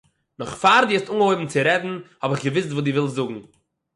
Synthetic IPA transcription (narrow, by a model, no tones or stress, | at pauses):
nɔχfaɾdiɛstuŋoɪbm̩t͡sɪɾɛvn̩hɔbɪχɡəvɪstvuːdɪːvɪlˠzʊɡŋ̩